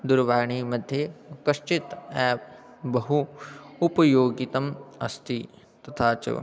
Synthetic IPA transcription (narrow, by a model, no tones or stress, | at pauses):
d̪uɾʋaːɾɳiːmɐd̪ʱjekɐʃt͡ʃit̪ɛːp̚ | bɐɦuː | pɐjoːɡit̪ɐmɐst̪ʰi | t̪ɐt̪ʰaːt͡ʃɐ̰